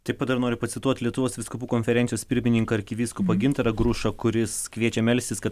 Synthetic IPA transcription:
t̪ɐɪpɐt̪d̪ɐɾnoːɾʲɪpɐsʲɪt̪uɔt̪ʲlʲiɛt̪ʊʋoːsʋʲɪskʊpuːkoːnʲfʲɛɾʲɛnʲjoːspʲɪɾʲmʲɪnʲɪŋkɐɐɾʲkʲɪʋʲiːskupɐɡʲɪnt̪ɾɐɡɾuʃɐkʊɾʲɪskʋʲiɛt͡ʃʲɛmʲɛlʲst̪ʲɪskɐt

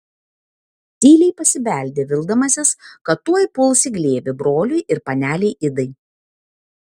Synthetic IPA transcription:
t̪ʲiːlʲɛɪpɐsʲɪbʲæˑlʲd̪ʲeːʋʲɪlˠd̪ɐmɐsʲɪskɐt̪ːuɔjpʊlˠsʲɪɡlʲeːʋʲɪbɾoːlʲʊɪʔɪɾpɐnʲæːlʲɛɪʔɪd̪ɐɪ

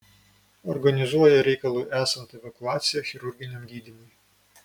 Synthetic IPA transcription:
ɔɾɡɐnʲɪzuɔjɛɾʲɛɪkɐlˠuːʔæːsɐnt̪ɐɛʋɐkʊɑːt̪sʲɪjɛxʲɪɾʊɾʲɡʲɪnʲɛmɡʲiːd̪ʲɪmʊj

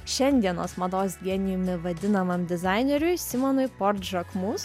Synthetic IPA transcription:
ʃʲɛnʲd̪ʲiɛno̰ːsmɐd̪oːsd̪ʲiɛnʲɪjʊmʲɪʋɐd̪ʲɪnɐmɐmd̪ʲɪzɑɪnʲɛɾʲʊɪsʲɪmɔnʊɪpɔɾt̪ʒɐkmʊs

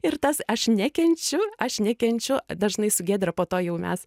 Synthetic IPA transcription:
ɪrt̪ɐsɐʃnʲækʲɛnʲt͡ʃʲʊɐʃnʲɛkʲɛnʲt͡ʃʲʊd̪ɐʒnɐɪsʊɡʲeːd̪ʲɾɐpoːt̪oːjɛʊmʲɛ̰s

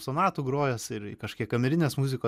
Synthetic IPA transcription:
sonɑːt̪uːɡɾoːjosɪɾɪkɐʃkʲiɛkɐmʲɛɾʲɪnʲeːsmuzʲɪkoː

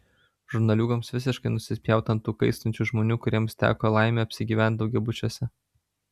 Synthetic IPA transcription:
ʒʊɾnɐlʲuːɡomsʋʲɪsʲɪʃkɐɪnʊsʲɪsʲpʲjɛˑʊt̪ɐnt̪ːuːkɐɪst̪ɔnʲt͡ʃʲuˑʒmoːnʲuːkʊɾʲiɛmst̪ʲæ̰ːkoːlˠɑˑɪmʲeːɐpʲsʲɪɡʲiːʋʲænʲt̪ʲd̪ɒʊɡʲɛbʊt͡ʃʲuɔsʲɛ

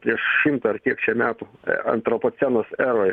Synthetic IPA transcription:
pʲɾʲiɛʃʃʲɪmt̪ɐɐrkʲiɛkt͡ʃʲɛmʲæːt̪ṵɐ̰nt̪ɾopoːsʲænoːsæːɾoː

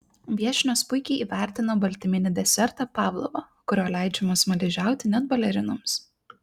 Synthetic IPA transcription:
ʋʲiɛʃʲɪnʲoːspʊɪkʲɛɪʔiːʋʲæˑɾʲt̪ʲɪnoːbɐlʲt̪ʲɪmʲɪnʲɪd̪ʲɛsʲɛɾt̪ɑpɑːʋlˠo̰ʋɐ | kʊɾʲoːlʲæˑɪd͡ʒʲɛmoːsmɐlʲɪʒʲæˑʊt̪ʲɪnʲɛd̪̚bɐlʲɛɾʲɪnʊms

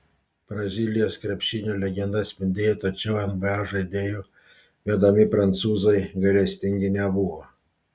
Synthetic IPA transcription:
b̥ɾɐzʲiːlʲɪjoːskɾʲɛpʲʃʲiːnʲoːlʲɛɡʲɛnd̪ɐt̪sʲpʲɪnʲd̪ʲeːjot̪ɐt͡ʃʲɛʊɛnbɐɑʒɐɪd̪ʲeːju | ʋʲɛd̪ɐmʲɪpɾɐnt̪suːzɐɪɡɐlʲɛsʲt̪ʲɪŋʲɡʲɪnʲɛbuʋɔ

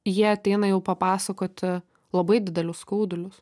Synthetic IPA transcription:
jiɛɐt̪ʲɛɪnɐjɛʊpɐpɑːsɐkoːt̪ʲɪ | lˠɐbɐɪd̪ʲɪd̪ʲɛlʲʊsskɐʊd̪ʲʊlʲʊs

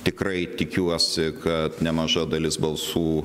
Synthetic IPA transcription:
t̪ʲɪkrɐɪt̪ʲɪkʲuɔsʲɪkʰɐt̪nʲɛmɐʒɐd̪ɐlʲɪsbɐlˠsuː

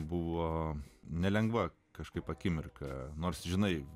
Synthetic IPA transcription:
bʊʋoːnʲɛlʲɛŋɡʋɐ | kɐʃkɐɪpɐkʲɪmʲɪrkɐnoːrsʒʲɪnɐɪ

